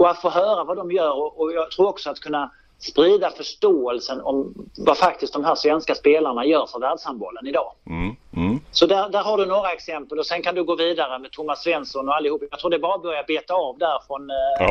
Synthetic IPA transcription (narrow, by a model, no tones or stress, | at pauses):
ɔat̪foːɦœːɾavad̪ɔmjœːɾɔɔjɑːɡt̪ʰɾuːɾɔksɔat̪̚kʰɵnːa | spɾiːd̪afœʂʈoːɛlsənɔ̰mvafak̚t̪ɪst̪d̪ɔmɦæːʂvɛnskaspeːlaɾɳajœːɾfœɾvæːɖʂambɔ̰ːlənɪd̪ɑː | sɔd̪æɾd̪æɾhaɖɵnoːɾaɛksɛmpəlɔsɛnkʰand̪ɵɡoːviːd̪aɾəmɛd̪̚t̪ʰʊmːasvɛnsɔnɔalːɪhuːpːjɑːɡt̪ʰɾuːɖ̪ɛbɑːɾabœɾjabeːt̪aɑvd̪æɾfɾɔn